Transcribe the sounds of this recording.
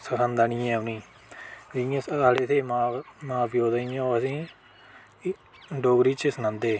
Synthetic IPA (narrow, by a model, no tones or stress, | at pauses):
səkʰãnd̪aːnĩːɛ̃ːʊnĩː | d͡ʒɪjãːsaːɽeːt̪ʰeːmaːmaːbjoːd̪anɪjãːəsĩː | ɖoːɡɾiːt͡ʃəsənãːnd̪eː